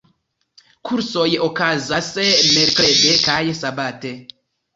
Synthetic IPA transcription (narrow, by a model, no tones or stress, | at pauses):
kʰuɾsojokazasemeɾkledekajsabate